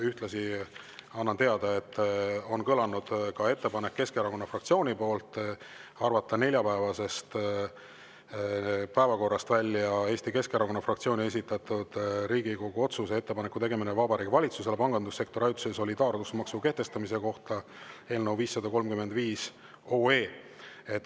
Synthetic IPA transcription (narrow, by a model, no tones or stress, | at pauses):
yht̪lɑsi | ɑnːɑnt̪e̞ɑd̪̥ɑe̞t̪ːˑo̞nkɤlɑnud̪̥kɑe̞t̪ːe̞pɑnekːe̞skeeɾɑko̞nːɑfrɑk̚t̪sio̞ːnʲipo̞ːlt̪ˑ | ɑrvɑt̪ːˑɑne̞lʲjɑpæevɑse̞st̪ | pæevɑko̞rːɑst̪vælʲːjɑe̞ːst̪ike̞skeɾɑko̞nːɑfrɑkt̪sio̞ːnʲie̞sit̪ːˑɑt̪ud̪̥ɾiːɡiko̞ɡ̥uo̞t̪susee̞t̪ːe̞pɑnekːut̪e̞ɡe̞minevɑbɑɾiːɡkvɑlʲit̪suse̞lepɑŋɡ̥ɑnd̪usːe̞kt̪o̞ɾɑjt̪u̥seso̞lʲid̪ɑːrdusmɑksuke̞ht̪e̞st̪ɑmise̞ko̞ht̪ɑe̞ːlnəwviːsːɑd̪̥ɑko̞lmkymed̪viːs | oːe̞ː | e̞t̪ːˑ